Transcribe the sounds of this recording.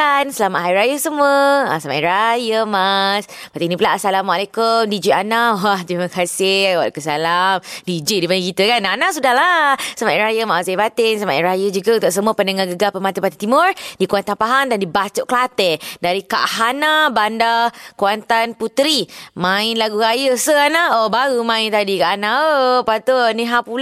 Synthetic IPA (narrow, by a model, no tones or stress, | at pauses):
ansəlamaʔɦajɾajəsəmuəa̰sama̰ʔiɾajəmas | pat̪inĩpulaʔasalamwaalakʊmdid͡ʒiʔanawaht̪ɾiməkasɪwa̰ʔkəs̬alamdid͡ʒiʔdibanikit̪əkananasudalasəmaʔɾajəmaʔsabat̪ɪnsamaʔɾajəd͡ʒuɡaunt̪ʊʔsəmuəpənəŋaɡəɡapəmat̪əpat̪it̪imʊrdikuant̪anpaɦandandibat͡ʃʊʔkəlat̪ɛdaɾika̰ʔɦanabandakuant̪anput̪ɾimãɪnlaɡuɾajəsəanaobaɾumãɪnt̪adikaʔanãəpat̪oniɦapul